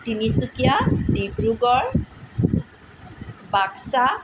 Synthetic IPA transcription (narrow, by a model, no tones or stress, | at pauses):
tinisukijadibɹuɡɔɹ | baksa